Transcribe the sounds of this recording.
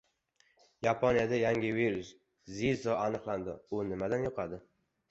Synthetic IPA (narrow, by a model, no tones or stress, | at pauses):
japʰonijad̪ajaŋʲɪviɾus | zizɒanɨqlˠand̪ɪʊnɪmad̪anjoqʰɑd̪ɪ